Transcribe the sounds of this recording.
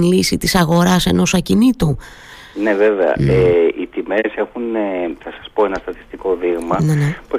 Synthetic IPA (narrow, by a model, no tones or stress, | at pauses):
nlisit̪isɐɣo̞ɾɐse̞no̞sɐcinit̪u | ne̞ve̞veɐ̰eʔit̪ime̞se̞xuneθɐsɐ̥spo̞enɐst̪ɐt̪i̥st̪iko̞ðiɣmɐnenpo